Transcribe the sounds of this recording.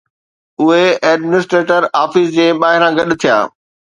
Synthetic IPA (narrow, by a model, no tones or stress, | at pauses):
ʊɦeɛːɖmɪnɪsʈɾeːʈəɾaːfɪsd͡ʑeːɓaːɦɪɾãɡɐɗt̪ʰija̰ː